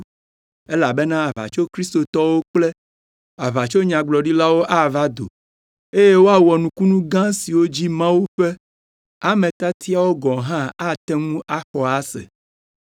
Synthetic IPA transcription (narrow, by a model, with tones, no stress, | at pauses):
e˦la˨bɛ˦nã˦a˨va̰˨t͡ʃo˦kɾi˦st̪o˨t̪ɔ˦wo˦k͡ple˦ | a˨βa˨t͡ʃo˦ɲã˨ɡ͡blɔ˨ɖi˦la˦wo˦ʔa˦va˦d̪o̰˨ | e˦je˦wo˦a˦wɔ˨nũ˨ku˦nũ˦ɡã˦si˨wo˦d͡ʑi˦mã˦wu˦ɸɛ˦ | a˨mẽ˨t̪a˦t̪ʰi˦a˦wo˦ɡɔ̃˨ɦã˦a˦t̪ɛ˦ŋũ˦a˦xɔ˨a˦sɛ̰˨